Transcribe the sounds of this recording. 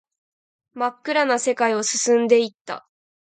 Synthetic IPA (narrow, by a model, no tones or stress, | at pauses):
makːɯ̟ɾanase̞kaio̞sɨsɨ̃nd̪e̞it̪ːa̰